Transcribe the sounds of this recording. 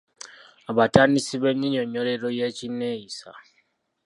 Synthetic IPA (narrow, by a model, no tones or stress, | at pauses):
aβatanisiβeɲiɲoɲːoleɾojecinːejisa̰